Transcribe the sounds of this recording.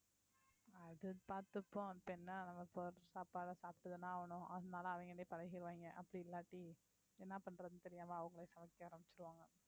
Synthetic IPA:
ɐðɯpaːɾt̪ɯpːõpːɛnːɐnɐmːɐpoːsaːpaːɽɐsaːpɪʈːɯðɯnːãːɐʋɐnʊ̃ʔɐðɯnaːlɐɐʋɐŋɡɐneːpɐɻɐɣɪɾɯʋaːŋɡɐʔɐpːɐɽiɪlːaːʈːi | ɛnːapɐɳːɾɐðɯnt̪ɛɾɪjaːmaːɐʋɐŋɡɐɭɐsɐmɐkːɛaːɾɐmbɪt͡ʃːɪɾɯʋaːŋɡɐ

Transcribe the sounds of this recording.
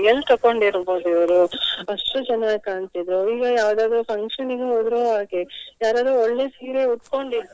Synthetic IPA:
jɐlt̪ɐkːoɳɖiɾboːd̪uiʋɐɾuɐʂʈut͡ʃɐnːaːkaːnt̪id̪ɾoiːɡɐjaːʋd̪aːd̪ɾupʰɐŋkʂɐniɡeɦoːd̪ɾoːɦaːɡejaːɾaːd̪ɾuɔɭːesiːɾeuʈ̪ko̞ɳɖiɾ

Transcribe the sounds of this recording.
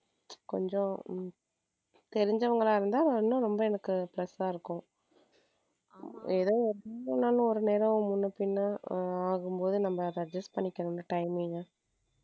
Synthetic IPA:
kɔɲd͡ʒɔ̃ | t̪ɛɾɪɲd͡ʒɐʋɐŋɡɐɭaːɪɾɯnd̪aːɐɪnːʊ̃ɾɔmbɐɛnɐkːɯplɐsaːɪɾɯkːʊ̃ | ɛðoːɔɾeːɾɐnːaːlɯ̃ɔɾɯneːɾɐ̃mʊnːɐpɪnːaaːɣɯmpoːðɯnɐmːɐɾɐd͡ʒɐsʈpɐɳːɪkʲːɐnʊ̃nːɯʈɐɪmiŋɡɐ

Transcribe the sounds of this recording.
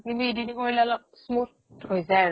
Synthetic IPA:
kintuedinikoɹilɛalɔk̚smut | hojzaj

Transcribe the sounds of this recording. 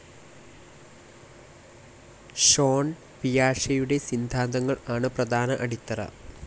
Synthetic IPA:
ɕoːn | pijaːʂɐjuɽe̞sind̪ʱaːnd̪ɐŋːɐɭaːɳɨprɐd̪ʱaːnɐʔɐɽit̪ːɐɾɐ̰

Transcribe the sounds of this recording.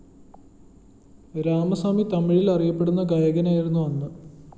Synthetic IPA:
ɾaːmɐsaːmit̪ɐmiɻilɐrijɐpːe̞ɽunːɐɡɐjɐɡɐnaːjiɾunːuʋɐnːɨ

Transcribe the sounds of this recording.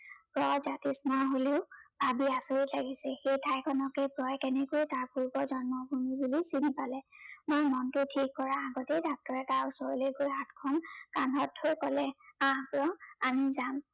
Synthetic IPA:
pɹɔzatismaɦoleʊbabiasoɹitlaɡisɛxejtʰajkʰɔnɔkɛpɹɔjkɛnɛkojtaɹpuɹbɔzɔnmɔbʱumibulisinipalɛmɔjmɔntʊtʰikːɔɹaːɡɔtedʱak̚tɔɹɛtausɔɹolejɡojɦatkʰɔnkanɦɔtʰːojkɔlɛãpɹɔamizam

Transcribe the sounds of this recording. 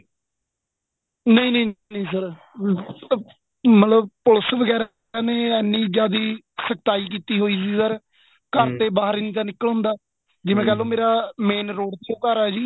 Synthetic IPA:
nəĩːnəĩnəĩːsəɾ | mət̪ləb̚pʊləsʋəɡɛːɾ | aːneːɛnːĩːd͡ʒaːd̪iː | səkt̪aːiːkiːt̪iːɦoːiːs̬iiːsəɾ | kəɾt̪eːbaːɦəɾɪnĩːt̪aːnɪkːəlɦʊ̃nd̪aː | d͡ʒɪmẽːkɛːloːmeːɾaːmeːnɾoːɖt̪ːoːkəɾɛːd͡ʒiː

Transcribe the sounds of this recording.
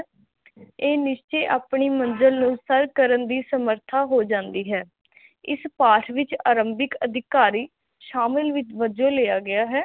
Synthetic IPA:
eːnɪʃt͡ʃeːʔaːpɳiːmə̃nd͡ʒəlnũːsəɾkəɾənd̪iːsəməɾt̪ʰaːɦoːd͡ʒãːnd̪iːɦɛː | ɪ̰spaːʈʰʋɪt͡ʃaːɾəmbɪkəd̪ʱɪkaːɾiː | ʃaːmɪlʋɪt͡ʃʋəd͡ʒõːleːjaːɡɪaːɦɛː

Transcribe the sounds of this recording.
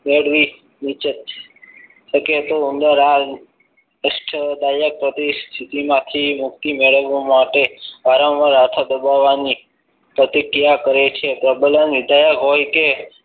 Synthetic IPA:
meɭʋi | nit͡ʃət̪ | ʃəket̪oʊnd̪əɾal | əsʈʰəd̪ajək̚pɾət̪ist̪ʰit̪imãt̪ʰimʊkt̪imeɭəʋomaʈeʋaɾə̃wʋəɾat̪ʰad̪əbaʋːani | pɾət̪ikɾijakəɾet͡ʃʰepɾəbələnʋɪd̪ʱajəkɦojke

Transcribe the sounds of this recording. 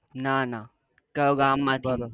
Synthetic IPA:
nana | kɐjoɡaːmːat̪

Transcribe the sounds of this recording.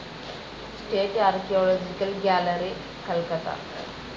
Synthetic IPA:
sʈeːʈaːɾkioːloːd͡ʒikɐlɡaːlɐɾi | kɐlkɐt̪a̰

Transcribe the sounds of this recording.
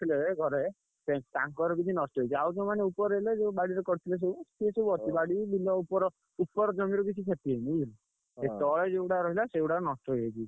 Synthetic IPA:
t̪ʰileɡʱɔɾe | pẽʈãŋkɔɾɔkit͡ʃʰinɔsʈɔɦejt͡ʃʰiawd͡ʒemaneupɔɾɔɦiled͡ʒebaɽiɾɔkɔɾt̪ʰiles̬esiseɔt̪ibaɽibilɔupɔɾɔ | upɔɾɔd͡ʒɔmiɾubit͡ʃʰikʰet̪ienijil | et̪ɔɭed͡ʒeuɽaɾɔɦilaseuɽaɾnɔsʈɔɦeet͡ʃʰi

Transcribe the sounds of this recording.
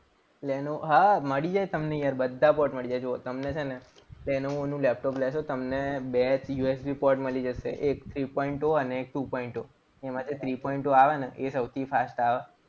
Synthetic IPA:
lɛnoɦaməɽid͡ʒajt̪əmnejaɾbəd̪ʱːapɔɾʈməɭid͡ʒajt͡ʃot̪əmnet͡ʃʰene | lɛnoonũlep̚ʈɔplɛʃot̪əmnebet͡ʃjuesbipɔʈməlid͡ʒəʃḛʔekt̪ʰɾipɔiɳʈoəneːk̚ʈupɔiɳʈo | emãt̪ʰet̪ʰɾipɔiɳʈoaʋaneʔesəwt̪ʰifʰasʈaʋa

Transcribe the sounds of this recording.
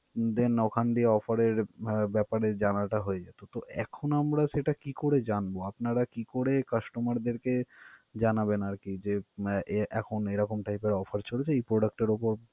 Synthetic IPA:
d̪enɔkʰanɖieɔfaɾeɾbɛpaɾed͡ʑanaʈaɦoed͡ʑat̪ot̪oʔɛ̰kʰonamɾaʃeʈakikoɾed͡ʑanboapnaɾakikoɾekaʃʈomaɾd̪eɾked͡ʑanabenaɾkid͡ʑe | ʔɛkʰonejɾɔkomʈajpeɾɔfʰaɾt͡ɕʰolet͡ɕʰeejpɾoɖak̚ʈeɾopoɾ

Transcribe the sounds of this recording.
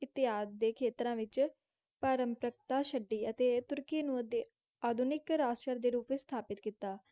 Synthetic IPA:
ɪt̪ːɪɦaːd̪d̪eːkʰeːt̪ɾãːʋɪt͡ʃ | paːɾəmpɾəkt̪aːʃəɖːiːət̪eːt̪ʊɾkiːnũːət̪eː | aːd̪ʱʊnɪkɾaːsʈəɾd̪eːɾuːpst̪ʰaːpɪt̪kiːt̪aː

